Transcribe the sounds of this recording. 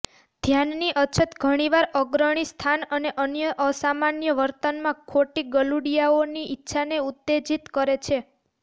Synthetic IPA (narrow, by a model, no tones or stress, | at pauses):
d̪ʱjanːiʔət͡ʃʰət̪ɡʱəɽ̃iʋaɾəɡɾəɽ̃ist̪ʰanəneʔənjəʔəsamanjəʋəɾt̪ənmãkʰoʈiɡəluɽijaoniʔitːʃʰaneut̪ːed͡ʒit̪kəɾet͡ʃʰe